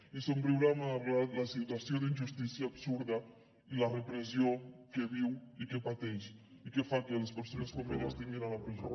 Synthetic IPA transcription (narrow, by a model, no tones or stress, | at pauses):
esoũmpɾuɣɾamɐβlalasit̪wasjod̪inʒust̪isjaːbsuɾðɐ | ilɐrepɾes̬jokeβiwikepat̪ɛʃ | ikefakelɐspeɾsonɐskomeɾast̪eɲeɾalɐpɾizo̰